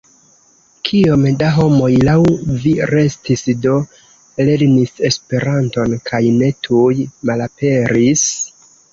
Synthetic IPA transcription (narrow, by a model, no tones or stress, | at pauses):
kʰiomdaɦo̞mo̞jlawviɾe̞stisdo̞ | le̞ɾnise̞spe̞ɾanto̞nkʰajne̞tʰujmalape̞ɾis